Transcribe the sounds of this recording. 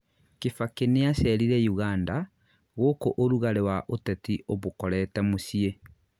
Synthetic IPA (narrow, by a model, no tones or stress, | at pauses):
kefakeneasɛɾiɾɛjuɣaːnda | ɣokoʔoɾuɣaɾewaʔotɛtioβokɔɾɛːtɛmosie